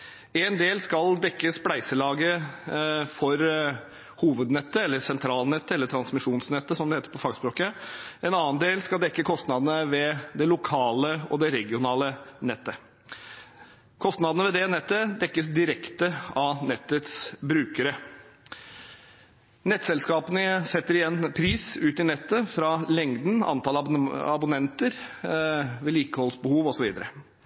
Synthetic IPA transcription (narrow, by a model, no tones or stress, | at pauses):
ɛnd̪eːlskɑld̪ɛkːəsplæɪsəlɑːɡə | fɔɾ | huːʋəd̪nɛt̪ːəɛlːəsɛnt̪ʰɾɑːlnɛt̪ːəɛlːəʈʰɾɑnsmɪʂuːnsnɛt̪ːəsɔmd̪ɛheːt̪əɾpʰɔfɑːɡspɾoːkəɛnɑːənd̪eːlskɑld̪ɛkːəkʰɔst̪nɑd̪ənəʋɛd̪ɛlʊkʰɑːləɔd̪ɛɾɛɡɪʊnɑːlənɛt̪ːə | kʰɔst̪nɑd̪ənəʋɛd̪ɛnɛt̪ːəd̪ɛkːəsd̪ɪɾɛkt̪əɑnɛt̪ːət̪sbɾʉːkəɾə | nɛt̪ːsɛlskɑːpənəsɛt̪ːəɾɪjɛnːpʰɾiːsʉːt̪ɪnɛt̪ːəfɾɑlɛŋd̪n̩ɑ̰nt̪ʰɑːlɑ̰bʊnɛnt̪əɾ | ʋɛliːkəhɔlsbəhuːʋɔsɔʋiːd̪əɾə